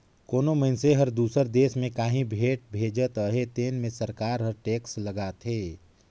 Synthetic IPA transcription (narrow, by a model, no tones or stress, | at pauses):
koːnoməɪnseɦəɾd̪uːsəɾd̪eːsmẽkaːɦĩbʱeːʈ̚bʱeːd͡ʒət̪əɦet̪eːnmẽsəɾkaːɾɦəɾʈeːksləɡaːt̪ɦeː